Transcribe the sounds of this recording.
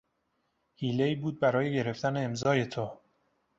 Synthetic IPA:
hiːle̞iːbuːd̪̚bæɾɒːje̞ɟe̞ɾe̞ft̪æneːmzɒːje̞t̪ʰo

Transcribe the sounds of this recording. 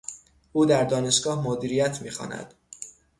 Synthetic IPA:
uːd̪æɾd̪ɒːne̞ʃɡ̥ɒːhmod̪iːɾijæt̪ʰmiːxɒ̰ːnæ̰d̪̥

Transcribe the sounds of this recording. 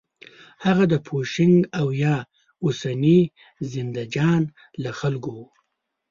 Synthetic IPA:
haɣad̪əpʰoʃɪŋɡawjɑ | ʊsani | zɪnd̪ad͡ʒɑn | laxalɡow

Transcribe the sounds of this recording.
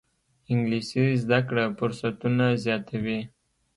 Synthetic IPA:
ɪŋɡlisizd̪akɽafʊɾsat̪unazjɑt̪ʰawi

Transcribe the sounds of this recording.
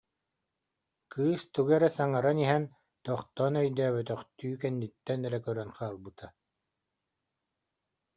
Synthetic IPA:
kɯːst̪uɡɛɾɛsaŋaɾaniɦɛn | t̪ɔχt̪ɔnœjd̪œːβœt̪œχt̪yːkɛnːit̪ːɛnɛɾɛkœɾœnχaːlˠbɯt̪ʰa

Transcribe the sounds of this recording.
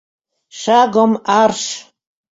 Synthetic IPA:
ʃaɡɔmaɾʃ

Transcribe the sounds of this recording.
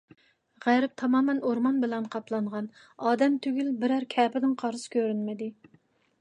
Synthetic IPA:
ʁæɾɪp̚t̪ʰɑmɑːmɛnoɾmɑnbɪlɛnqʰɑplˠɑɴʁɑn | ɑːd̪ɛmt̪ʰøɡʲylbɪɾæɾkʲʰɛːpɪd̪ɪŋqʰɑɾɨsɨ̥kʲʰøɾynmɪd̪ɪ

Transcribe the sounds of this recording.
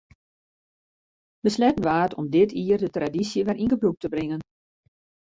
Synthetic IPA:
bəslɛtən̩ʋaːtʰɔmdɪtʰiərdətradisjəʋɛrʔinɡəbruk̚təbrɪŋən

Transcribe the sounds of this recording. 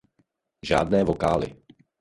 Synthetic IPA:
ʒa̰ːd̪̚nɛːvɔkaːlḭ

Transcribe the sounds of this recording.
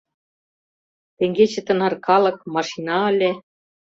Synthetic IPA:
t̪ĕŋɡʲet͡ɕĕt̪ɤ̆nɑrkɑlˠɤ̆k̚mɑʂinɑɤ̆lʲe

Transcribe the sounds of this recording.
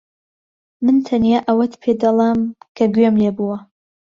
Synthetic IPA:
mɨnt̪ʰɐnjaːʔɐwɐt̪pʰed̪ɐlˠamkʰɐɡɥemleːbuwɐ

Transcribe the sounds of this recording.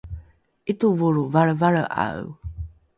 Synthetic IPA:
ʔit̪uvuɾuvaɭəvaɭəʔa̰w

